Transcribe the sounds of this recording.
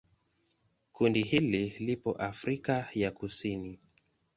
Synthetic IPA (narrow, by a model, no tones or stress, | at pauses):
kundihililipɔ̰ʔafɾikajakusini